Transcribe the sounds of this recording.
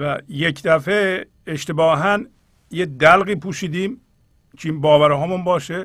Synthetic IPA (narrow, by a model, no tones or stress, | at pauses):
væjecd̪æfe | eʃt̪ebɒːɦæn | jed̪ælɣiːpʰuːʃiːd̪iːm | t͡ʃʰenbɒːvæɾɦɒːmunbɒːʃe